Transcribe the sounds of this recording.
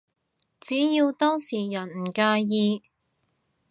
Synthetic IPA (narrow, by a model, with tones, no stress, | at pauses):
t͡siː˨˥jiː˧wt̪ɔː˥ŋsiː˨˩jɐ˨˩nm̩˨˩kaː˧jiː˧